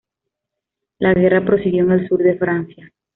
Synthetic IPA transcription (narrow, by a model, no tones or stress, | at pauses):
laɣe̞rapɾo̞siɣjo̞eŋe̞lsuɾðe̞fɾansja